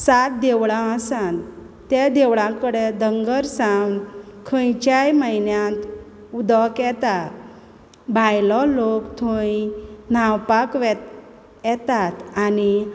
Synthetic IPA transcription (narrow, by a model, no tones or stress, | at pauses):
sat̪̚d̪eʋɭãəsãn | t̪ed̪eʋɭãkəɽed̪əŋɡəɾsãɡnkʰə̃jt͡ɕajməɦinjãnt̪ | ud̪ɔkjɛt̪at̪ | bʱajlɔlokt̪ʰoinawpakʋɛ | jɛt̪at̪ani